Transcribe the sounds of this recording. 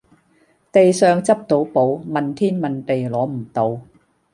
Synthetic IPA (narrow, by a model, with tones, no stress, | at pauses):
t̪e˨jsœː˨˧ŋt͡sɐ˥p̚t̪o˨˥wpo˨˥wmɐ˨nt̪ʰiː˥nmɐ˨nt̪e˨jlɔː˨˥m̩˨˩t̪o˧w